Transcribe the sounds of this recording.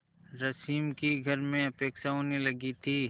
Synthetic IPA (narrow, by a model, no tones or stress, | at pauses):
ɾɐsiːmkiɡʱɐɾmẽɐpeːkʃaɦonelɐɡit̪ʰiː